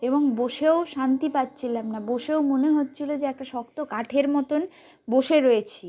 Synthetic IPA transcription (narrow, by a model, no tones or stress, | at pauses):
eboŋboʃeoʃant̪ipatːt͡ɕʰilamnaboʃeomoneɦotːt͡ɕʰilod͡ʑeɛk̚ʈaʃɔkt̪okaʈʰeɾmɔt̪on | boʃeɾoet͡ɕʰi